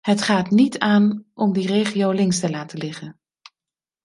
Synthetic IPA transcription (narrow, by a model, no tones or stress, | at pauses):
ɦətχaːtnitaːnʔɔmdirejχiowlɪŋstəlaːtəlɪχən